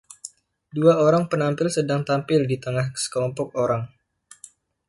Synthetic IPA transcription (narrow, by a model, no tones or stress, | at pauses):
duaoɾaŋpənampɪlsədaŋt̪ampɪldit̪əŋahsə̥kəlɔmpɔk̚oɾaŋ